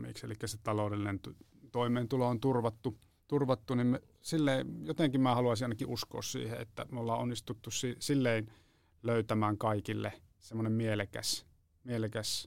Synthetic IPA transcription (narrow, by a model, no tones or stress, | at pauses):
mḭksḛlikːæset̪ɑloˑudelːinent̪ | t̪oˑimˑeːnt̪uloont̪urʋɑt̪ːu | t̪urʋɑt̪ːunimme | silːeˑijot̪eŋkimmæːhɑluɑˑsiʔɑˑnɑkiʔʔusko̰ːssḭːhḛḛt̪ːæ̰molːɑːonːist̪ut̪ːussisilːein | løˑyt̪æmæːŋkɑikilːḛ | semːonemmielekæ̰s | mielekæs